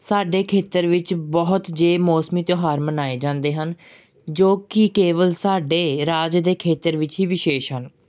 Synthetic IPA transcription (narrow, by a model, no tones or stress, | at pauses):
saːɖeːkʰeːt̪əɾʋɪt͡ʃbɔɦʊt̪d͡ʒeːmɔːsmiːt̪joːɦaːɾmənaːeːd͡ʒãːnd̪eːɦən | d͡ʒoːkɪkeːʋəlsaːɖeːɾaːd͡ʒd̪eːkʰeːt̪əɾʋɪt͡ʃɦiːʋɪʃeːʃɦən